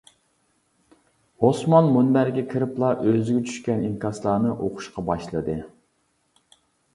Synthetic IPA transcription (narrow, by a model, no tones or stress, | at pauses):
hosmɑnmunbæɾɡʲɛkʲʰɪɾɪplˠɑʔøzɪɡʲɛt͡ʃʰy̥ʃkʲɛnimkʲʰɑslˠɑːnɨʔoqʰʊ̥ʃqɑbɑʃlˠɨd̪ɨ